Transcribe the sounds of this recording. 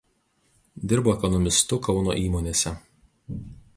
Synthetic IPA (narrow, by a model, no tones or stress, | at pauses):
d̪ʲɪɾboːɛkɔnɔmʲɪst̪ʊkɒʊno̰ːʔiːmoːnʲeːsʲɛ